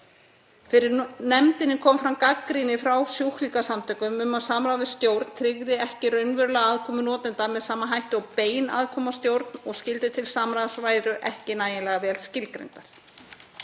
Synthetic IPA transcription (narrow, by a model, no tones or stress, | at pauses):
fɪɾɪnɛmt̪ɪnːɪkʰɔːmfɾamkakːɾinɪfɾawsjowhlikasamt̪ʰœːkʏmʏmaðsaːmɾaðɪst̪jowɾt̪n̥t̪ʰɾɪɣðɪɛhcɪrœɥnvʏɾʏlaɣaðkʰɔːmʏnɔːt̪ɪnt̪amɛðsaːmanɦajht̪ʏɔwpeːjna̰ðkʰɔːmast̪jowɾt̪nɔɣscɪlt̪ɪt̪ʰɪlsaːmɾaðsvaːjɾʏʔɛhcɪnaːjɪnlɛɣavɛːlscɪlkɾḛjnt̪aɾ̥